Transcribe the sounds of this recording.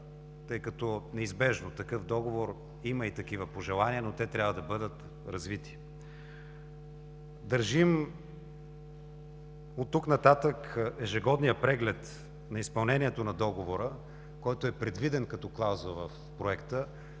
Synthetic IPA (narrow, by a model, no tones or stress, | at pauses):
t̪ɤjkɐt̪ɔnɛizbɛʒnot̪ɐkɤfd̪ɔɡovoɾ | iməit̪ɐkivəpoʒɛlˠaniənot̪ɛt̪ɾʲabvəd̪ɐbɤd̪ət̪ | ɾɐzvit̪i̥ | d̪ɐɾʒim | ot̪ːuknɐt̪at̪əkɛʒɛɡɔd̪nijəpɾɛɡlɛt̪ | nɐispɐlˠnɛnʲiɛt̪onɐd̪ɔɡovoɾə | kɔjt̪oɛpɾɛd̪vid̪ɛnkɐt̪ɔklˠawzəvɐf | pɾoɛkt̪ə